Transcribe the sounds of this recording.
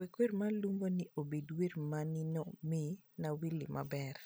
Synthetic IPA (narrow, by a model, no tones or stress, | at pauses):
wekwermalumbonɪʔobedwermanɪnomɪnawilɪ̰mʔa̰bɛr